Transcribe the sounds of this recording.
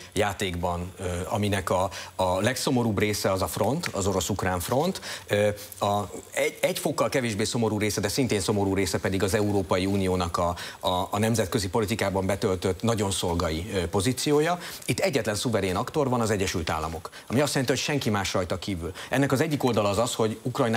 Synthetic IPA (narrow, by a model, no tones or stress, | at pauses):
jaːt̪eːɡbɒnɒminɛkɒːlɛkso̞mo̞ɾuːbreːsɛɒzɒfro̞nt̪ɒzo̞ɾo̞sukraːɱfro̞nt̪ø | ɒɛɛɟfo̞kːɒlkɛveːʒbeːso̞mo̞ɾuːɾeːsɛd̪ɛsint̪eːnso̞mo̞ɾuːɾeːsɛpɛd̪iɡɒzɛuɾoːpɒjiuːnijoːnɒkɒː | nɛmzɛt̪̚køzipo̞lit̪ikaːbɒmbɛt̪ø̞lt̪øt̪ːnɒɟo̞nso̞lɡɒjipo̞zit̪sijoːjɒit̪ːɛɟːɛt̪lɛnsuvɛɾeːnɒkt̪o̞rvɒnɒzɛɟːɛʃylt̪a̰ːlːɒ̰mo̞k | ɒmiɒst̪jɛlɛnt̪iho̞cʃɛŋkimaːʃrɒjt̪ɒkiːvylɛnːɛkɒzɛɟːiko̞ld̪ɒlɒːzɒsho̞ɟukrɒjn